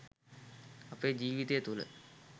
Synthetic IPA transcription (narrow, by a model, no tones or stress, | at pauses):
ɐpeːd͡ʑiːʋit̪ejət̪ulə̰